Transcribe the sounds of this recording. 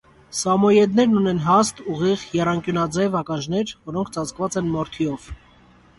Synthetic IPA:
sɑmɔjɛd̪nɛɾnunɛnɦɑst̪uʁiʁjɛrɑŋkjunɑd͡zɛvɑkɑnʒnɛɾvɔɾɔŋkʰt͡sɑt͡skvɑt͡sɛnmɔɾt̪ʰiɔv̥

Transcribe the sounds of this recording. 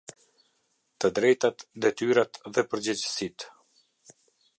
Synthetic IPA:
t̪əd̪ɾɛjt̪at̪d̪ɛt̪yɾat̪ðɛpəɾd͡ʑəd͡ʑəsit̪

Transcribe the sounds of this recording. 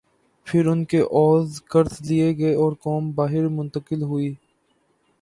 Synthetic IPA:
pʰɪɾʊnkeʔɔːzkɐɾzlieɡɐeɔːɾkɔːmbaːɦɪɾmʊ̃nt̪əkɪlɦʊiː

